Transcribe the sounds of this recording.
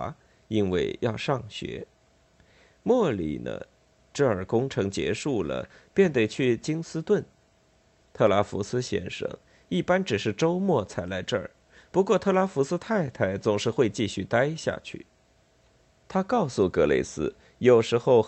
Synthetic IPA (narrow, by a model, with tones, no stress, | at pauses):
a˥ | i˥nwe˥˩ɪjɑ˥˧ʊʂɑ˥˩ŋɕɥɛ̰˧˥ | mwɔ˥˩lḭ˨˩nə̰˧˩ | ʈ͡ʂɤ˥˩ə˞˨˩kʊ˥ŋʈ͡ʂʰɤ˧˥ŋt͡ɕjɛ̰˧˥ʂu˥˩lə̰˩ | pjɛ˥˩nt̪e˥˩ɪt͡ɕʰy˥˩t͡ɕi˥ŋsɹ̩˥t̪wə˥˩n | t̪ʰɤ˥˩la˧˥fṵ˧˥sɹ̩˥ɕjɛ̰˥˩nʂɤ̰˧˥ŋ | i˥˩pa˥nʈ͡ʂɻ̩˨˩ʂɻ̩˥˩ʈ͡ʂo˥ʊmwɔ˥˩t͡sʰa˧˥ɪla˧˥ɪʈ͡ʂɤ˥˩ə̰˞˨˩pu˧˥kwɔ˥˧t̪ʰɤ˥˩la˧˥fu˧˥sɹ̩˥t̪ʰa˥˧ɪt̪ʰa˧˥˩ɪt͡sʊ˨˩ŋʂɻ̩˥˧xwe˥˧ɪt͡ɕi˥˧ɕy˥˩t̪a˥ɪɕja̰˥˧t͡ɕʰy̰˥˩ | t̪ʰa˥kɑ˥˧ʊsu˥˩kɤ˧˥lḛ˥˩ɪsɹ̩˥ | jo˨˩ʊʂɻ̩˧˥xo˥˧ʊ